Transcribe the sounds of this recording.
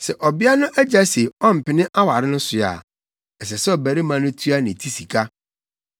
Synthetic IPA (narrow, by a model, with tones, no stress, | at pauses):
sɛ˨ʔɔ˨bɪ˦a˦nʊ̃˦ʔæ˦d͡ʑa˦se˨ɔ˦m̩˨pɪ˨nɪ̃˦ʔa˦wa˨ɾɪ˦nʊ̃˦sʊ˨a̰˨ | ɛ˨s̬ɛ˨sɛ˦ɔ˨bæ˨ɾi˦mã˨nʊ̃˦tʰu˦a˦nɪ̃˨tʰi˦si˨kʰa˦